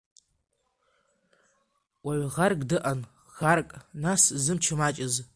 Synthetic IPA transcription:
wʷaʕʷʁarkʼdɨʔan | xarkʼnaszɨmt͡ʃʰɨmat͡ʃʼɪz

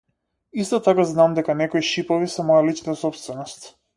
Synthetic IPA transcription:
ist̪ɔt̪akaznamd̪ɛkanɛkɔjʃipɔvisɛmɔjalit͡ʃnat̪asɔpst̪vɛnɔst̪

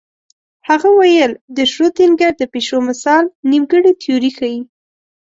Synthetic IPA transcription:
haɣawajəld̪əʃɾot̪inɡaɾd̪əpeʃomɪsɑlnimɡəɽit̪ʰioɾixaji

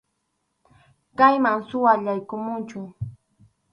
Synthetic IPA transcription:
kajmaŋsʊwaʎajkʊmʊnt͡ʃʊ

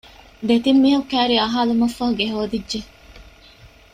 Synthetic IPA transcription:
d̪et̪imːiɦɐkæːɾiɐɦaːlumɐfːɐɦuɡeɦoːd̪idːʒe

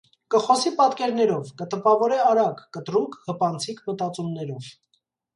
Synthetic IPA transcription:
kəχɔsipɑt̪kɛɾnɛɾɔvkət̪əpɑvɔɾɛɑɾɑkːət̪ɾuŋkʰhəpɑnt͡sʰikʰmət̪ɑt͡sumnɛɾɔv

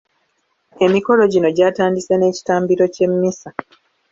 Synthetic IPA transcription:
e̞miko̞lo̞ɟino̞ɟaːtaːndisene̞ːci̥taːmbiɾo̞ce̞mːisa

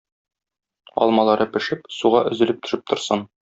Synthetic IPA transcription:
ɒ̰lˠmɑlˠɑɾɤpɘ̆ʃɘpsuʁɑʔɵ̆zɘ̆lɘp̚t̪ʰɵ̆ʃɘp̚t̪ŏɾsɤn

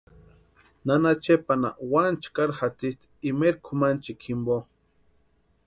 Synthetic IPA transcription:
nanat͡ʃepana̰want͡ʃkaɾxat͡sist̪ | imeɾkʰumant͡ʃikʰimbo

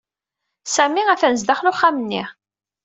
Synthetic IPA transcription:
sæmiæθænəzd̪æχlʊχːæmənːiʁ

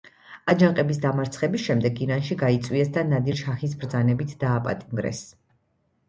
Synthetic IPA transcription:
ad͡ʒaŋqʼɛbis̬d̪amaɾt̪sʰχɛbisʃɛmd̪ɛɡiɾanʃiɡait̪sʼwiɛsd̪anad̪iɾʃaχis̬bɾd̪zanɛbit̪ʰd̪aːpʼa̰t̪ʼimɡɾɛ̰s

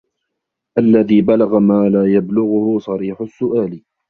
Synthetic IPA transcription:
ʔalːaðiːbalaɣamaːlaːjablʊɣʊhʊsˤɑɾiːħʊsːʊʔaːl

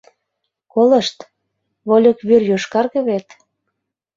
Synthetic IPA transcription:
kolə̆ʃt̪ | βolʲokβyrjoʃkɑrɣə̆βet̪

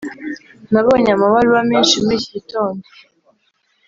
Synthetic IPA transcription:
naβo̞ːɲamaβaɾuɾameːnʃimiciɟito̞ːndo

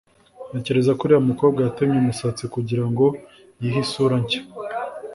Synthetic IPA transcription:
ece̞ɾe̞zakuɾiamuko̞ːb̚ɡajatamɲemusat͡sikuɟiɾaŋɡo̞ | jiɦisuɾaɲce̥

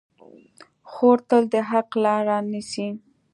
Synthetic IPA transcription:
xoɾt̪əld̪əɦaqlɑɾɑnisi

